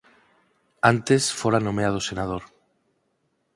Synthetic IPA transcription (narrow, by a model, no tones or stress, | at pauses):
ant̪esfoɾanõmeaðosenað̞oɾ